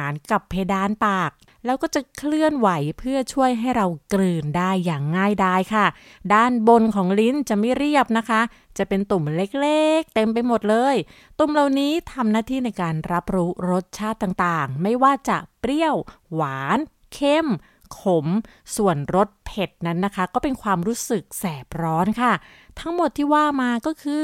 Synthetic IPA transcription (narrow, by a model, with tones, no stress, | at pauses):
aː˩˦nka˨˩pʰːe˧jdaː˧npaː˨˩k̚ | lɛː˦˥wkɔː˥˩t͡ɕa˨˩kʰlɯ˥˩ənwa˩˦jpʰɯ˥˩ɐt͡ɕʰu˥˩əjɦa˥˩jɾa˧wklɯː˧ndaː˥˩jːaː˨˩ŋːaː˥˩jdaː˧˥˩jkʰa˥˩ | daː˥˩nbo˧nkʰɔː˩˦ŋli˦˥nt͡ɕa˨˩ʔma˥˩jɾi˥˩əp̚na˦˥kʰa˦˥ | t͡ɕa˨˩pe˧nt̪u˨˩mle˦˥k̚leː˥˩k̚t̪e˧mp̬a˧jmo˨˩t̪̚lɤː˧j | t̪u˨˩mla˨˩wniː˦˥t̪ʰa˧mnaː˥˩t̪ʰiː˥˩na˧jkaː˧nɾa˦˥p̚ɾuː˦˥ɾo˦˥t̪̚t͡ɕʰaː˥˩t̪ːaː˨˩ŋt̪aː˨˩ŋma˥˩jwaː˥˩t͡ɕa˨˩pɾi˥˩əw | waː˩˦n | kʰe˥˩m | kʰo˨˩˦m | su˨˩ənɾo˦˥t̪̚pʰe˨˩t̪̚na˦˥nːa˦˥kʰa˦˥kɔː˥˩pe˧nkʰwaː˧mɾuː˦˥sɯ˨˩k̚sɛː˨˩p̚ɾɔː˦˥nkʰa˥˩ | t̪ʰa˦˥ŋmo˨˩t̪ʰːiː˥˩waː˥˩maː˧kɔː˥˩kʰɯː˧